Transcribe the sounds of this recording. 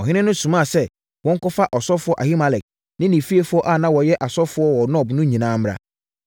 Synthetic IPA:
ɔ˨ɦɪ̃˦nɪ̃˦nʊ̃˦sũ˨mã˦˨sɛ˦ | wɔ̃˦ŋ˦kɔ˦fa˦ʔɔ˨sɔ˦fʊ˦ɔ˦ʔa˨hi˦ma˨lɛ˨k̚ | nɪ̃˦nĩ˨fi˦e˦fʊ˨˦ɔ˦ʔa˦˨nã˦wɔ˨jɛ˦ʔa˨sɔ˦fʊ˨˦ɔ˦wɔ˨nɔ˦˨bnʊ̃˦ɲĩ˨nãː˦m˦ɾa̰˦

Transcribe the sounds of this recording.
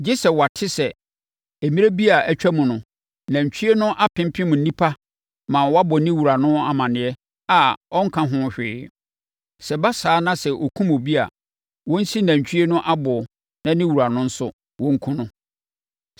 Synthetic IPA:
d͡ʑi˦sɛ˨wa˨tʰɪ˦sɛ˨ | e˨mĩ˦ɾe˦bi˦a˨æ˨t͡ɕᶣæ˦mũ˨nʊ̃˨ | næ̃˨ɲ˨t͡ɕʰᶣi˦e˦nʊ̃˦ʔa˦pʰɪ̃˦m̩˦pʰɪ̃˦mũ˨n̩˨˦nĩ˦pʰa˦ | mã˨wɔ˦a˦bɔ˨nɪ̃˦wu˨ɾa˨nʊ̃˦a˨mã˨nɪ̃˨ɛ˦ | a˨ɔ̃˦ŋ̩˦kʰã˦ɦʊ̃˦ɕᶣɪ̰ː˨˦ | sɛ˨ba˦saː˨˦nã˦sɛ˨ʔo˨kʰũ˦mo˨bi˦a̰˨ | wɔ̃˦n̩˦si˦næ̃˨ɲ̩˨t͡ɕʰᶣi˦e˦nʊ̃˦ʔa˦bɔ˨ɔ˨ | nã˦nɪ̃˦wu˨ɾa˨nʊ̃˦n̩˦sʊ˦ | wɔ̃˦ŋ̩˦kʰũ˦nʊ̃˦

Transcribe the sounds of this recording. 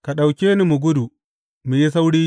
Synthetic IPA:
ka˨ɗa˨wkʲeː˦ni˦mu˨ɡʷʊ˦du˨ | mu˨ji˦s̬a˦wɽiː˦

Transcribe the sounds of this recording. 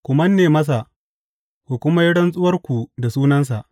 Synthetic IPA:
kʷʊ˨mɐ˦nːeː˨mɐ˦s̬a˨ʔ | kʷu˨kʷʊ˦ma˦jɪ˦ɽɐ˦nsʼʊ˦wɐ˦rkʷu˨da˨suː˦nɐ˦ns̬a˨ʔ

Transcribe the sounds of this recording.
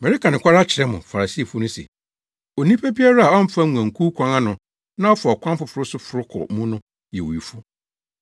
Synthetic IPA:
mɛ̃˨ɾɪ˦kʰa˨nʊ̃˨kʷʰa˦ɾa˦t͡ɕʰɪ˨ɾɛ˦mʊ̃˨fa˨a˨si˦a˨fu˦nʊ̃˦sɛ̰˨ | o˨nĩ˦pʰe˦bi˦a˦ɾa˦a˨ɔ˦m̩˦fa˦ŋu˨ã˨ŋ̩˨kʰu˦kʰʷã˦ŋã˦nʊ̃˨ | nã˦ɔ˦fa˨ɔ˨kʷʰã˦mfʊ˨fʊ˨ɾʊ˦sʊ˦fʊ˨ɾʊ˦kʰɔ̰˨mũ˦nʊ̃˦ | jɛ˨wo˨i˨fʊ˦

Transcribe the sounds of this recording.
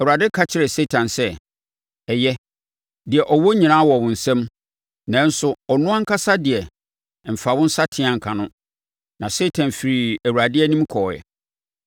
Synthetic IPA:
ɛ˨wu˨ɾa˨dɪ˦kʰa˦t͡ɕʰɪ˨ɾɛ˨se˦tʰã˨nsɛ˦ | ɛ˨jɛ˦ | dɪ˨ɛ˨ʔɔ˨wɔ˦ɲĩ˨nãː˦wɔ˨wʊ̃˨n̩˨sɛ̃˦m | nã˨˦n̩˦sʊ˦ɔ˨nʊ̃˦ã˦ŋ̩˦kʰa˦sa˦dɪ˨ɛ˨ | m̩˨fa˨wʊ̃˦n̩˦sa˦tʰɪ̃˦ã˨ŋ̩˨kʰã˨nʊ̃˦ | nã˨se˦tʰã˨nfi˨ɾi˨æ˨wu˨ɾa˨dɪ˦ɛ˦nĩ˦mkʰɔː˨jɛ̰˨

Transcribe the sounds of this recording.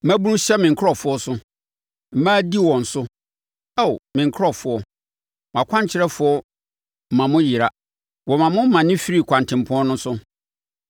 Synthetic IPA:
m̩˦mæ̃˦bu˦nũ˦ɕɛ˦mɪ̃˨ŋ̩˨kʰɾɔ˨fʊ˦ɔ˦sʊ˦ | m̩˨mãː˦di˦wɔ̃˨n̩˨sʊ˦ | ɛ˦wmɪ̃˨ŋ˨kʰɾɔ˦˨fʊ˦ɔ˦ | mã˨kʷʰã˦ɲ˨t͡ɕʰɪ˦ɾɛ˦fʊ˦ɔ˦ | m̩˨mã˨mʊ̃˦ji˨ɾa˦ | wɔ˨mã˨mʊ̃˦m̩˦mã˨nɪ̃˦fi˦ɾi˦˨kʷʰã˨n˨tʰɪ̃˨m˨pʰʊ̃˦ɔ̃˦nʊ̃˦sʊ˦

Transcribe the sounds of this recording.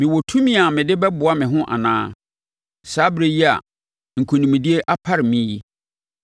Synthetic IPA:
mɪ̃˨wɔ˨tʰũ˦mĩ˦a˨mɪ̃˨dɪ˦bɛ˦bʊ˨a˦mɪ̃˨ɦʊ̃˦ʔa̰˨nã̰ː˦ | saː˦bɪ˦ɾe˦ji˦a̰˨ | ŋ̩˨kʰo˨nĩ˨mĩ˨di˦e˦ʔa˦pʰa˦ɾɪ˨mĩ˦ji˦

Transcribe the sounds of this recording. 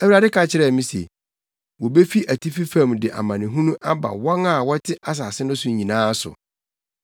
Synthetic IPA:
æ˦wi˨ɾa˨dɪ˦kʰa˨t͡ɕʰɪ˦ɾɛ˦˨mĩ˦sḛ˨ | wɔ˨be˦fi˦ʔæ˨tʰi˦fi˦fã˦˨mdɪ˨ʔa̰˨mã˨nɪ̃˨ɦũ˦nũ˦ʔa˦ba̰˨wɔ̃˦ŋa˨wɔ˦tʰɪ˦ʔa˦s̬aː˨sɪ˦nʊ̃˦sʊ̃˨ɲĩ˨nãː˦sʊ̰˨

